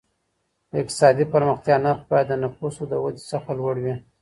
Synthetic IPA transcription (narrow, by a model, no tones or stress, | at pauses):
d̪əɪk̚t̪ɪ̥sɑd̪ipəɾməxt̪jɑnaɾxbɑjad̪ːənafusod̪əwad̪isaxt̪alwaɽwi